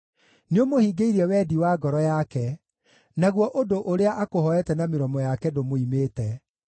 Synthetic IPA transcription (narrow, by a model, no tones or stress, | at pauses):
neomohiːɡeiɾɛwɛdiwaːɡɔɾɔjakɛ | naɣwɔʔodoʔoɾeaʔakoɦɔɛtɛnameɾɔmɔjakɛdomoimeːtɛ